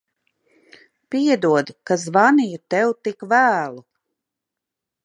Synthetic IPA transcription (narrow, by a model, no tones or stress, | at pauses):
piɛd̪uɔd̪kazvanijut̪ɛwt̪ikvæːlˠu